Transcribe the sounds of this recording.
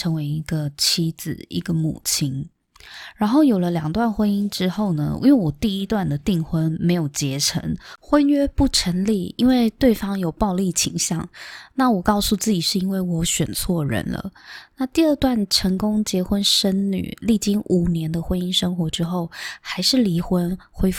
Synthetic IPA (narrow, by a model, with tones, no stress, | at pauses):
ʈ͡ʂʰɤ˧˥ŋwe˧˥ɪi˧˥ɡə˧t͡ɕʰi˥d͡zɹ̩˨˩ʔḭ˧˥ɡə˧mṵ˨˩t͡ɕʰi˥n | ɻa˧˥nxo˥˩ʊjo˨˩lə˦ljɑ˨˩ŋt̪wa˥˩nxwə˥ni˥ŋʈ͡ʂɻ̩˥xo˥˩ʊnə̰˩˥we˥˩wɔ˨˩t̪i˥˩i˦˥t̪wa˥˩nd̪ə˩t̪i˥˩ŋxwə˥nme˧˥ɪjo˨˩ʊt͡ɕjɛ˧˥ʈ͡ʂʰə̰˧˥ŋxwə˥nɥɛ˥pu˥˩ʈ͡ʂʰə˧˥nli˥˩i˥nwe˥˧ɪt̪we˥˩ɪfɑ˥ŋjo˨˩ʊpɑ˥˧ʊli˥˩t͡ɕʰi˨˩ŋɕjɑ˥˨˩ŋna˥˩wɔ˨˩kɑ˥˧ʊsu˥˧t͡sɹ̩˥˩t͡ɕi˨˩ʂɻ̩˥˧i˥nwe˥˩ɪwɔ˧˥ɕɥɛ˨˩nt͡sʰwɔ˥˩ɻə̰˧˥nlə̰˧na˥˧t̪i˥˧ə˥˧t̪wa˥˩nʈ͡ʂʰə˧˥ŋkʊ˥ŋt͡ɕjɛ˧˥xwə˥nʂə˥nny̰˨˩li˥˩t͡ɕi˥ŋʔu˨˩njɛ˧˥nd̪ə˧xwə˥ni˥ŋʂɤ˥ŋxwɔ˧˥ʈ͡ʂɻ̩˥xo˥˩ʊxa˧˥ɪʂɻ̩˥˩li˧˥xwə˦˥nxwe˥ɪf